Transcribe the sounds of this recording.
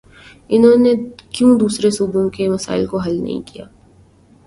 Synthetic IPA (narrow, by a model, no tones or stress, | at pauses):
ɪnɦõːnekjũd̪uːsɾesubũkemɐsa̰ːɪlkoɦɐlnɐ̰ɦḭ̃kija̰ː